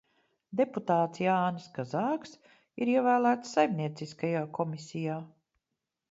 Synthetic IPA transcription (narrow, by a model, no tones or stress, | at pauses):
d̪eput̪aːt̪sjaːnskazaːks | iɾiɛvæːlˠæːt̪sːajmnʲiɛt̪siskajaːkʰɔmisʲijaː